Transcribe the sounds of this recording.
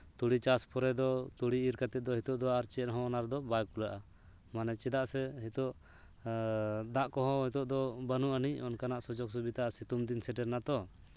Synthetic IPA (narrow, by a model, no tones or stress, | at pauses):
t̪uɽit͡ʃaspɔɾɛd̪ɔt̪uɽiːɾkat̪ɛt̪̚d̪ɔɦit̪ɔʔd̪ɔaaɾt͡ʃɛɾɦɔ̃ːnaɾd̪ɔbajkulaʔa | manɛt͡ʃɛd̪aʔsɛɦit̪ɔʔ | d̪aʔkɔɦɔ̃ɦɛt̪ɔʔd̪ɔbanuʔanicɔnkanaʔsɔd͡ʒɔksubit̪aasit̪umd̪insɛʈɛɾnat̪ɔ